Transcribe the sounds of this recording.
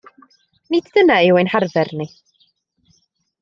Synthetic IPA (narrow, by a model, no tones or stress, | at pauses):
nɪddənaɪwɛjnharvɛrni